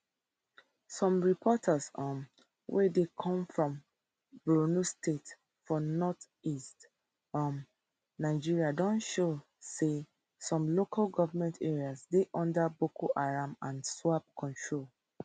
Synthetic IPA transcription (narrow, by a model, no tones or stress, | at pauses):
sɔ̃mɹipʰɔtʰasɔ̃n | wʔɛdekʰɔ̃mfɹɔ̃m | bɹonustet | fɔnɔt | ist | ɔ̃n | naɪd͡ʒiɹiadɔ̃nʃo | se | sɔ̃mlokʰalɡɔvamɛ̃ntʰeɹiasdeʔɔ̃ndabokʰoʔaɹãmãnswap̚kʰɔ̃ntʰɹol